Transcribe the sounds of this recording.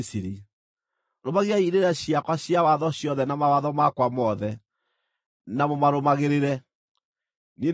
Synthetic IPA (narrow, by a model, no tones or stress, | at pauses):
siɾi | ɾomaɣeaiɾeɾɛɕiakwaɕjawaðɔɕjɔðɛnamawaðɔmakwamɔðɛ | namomaɾomaɣeɾeɾɛ | ni